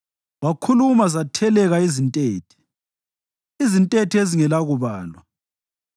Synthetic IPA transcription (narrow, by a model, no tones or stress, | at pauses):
wakʰulumazatʰɛlɛɣaizintʼeːtʰi̥ | izintʼetʰieziŋɛlaɣuβaːlwa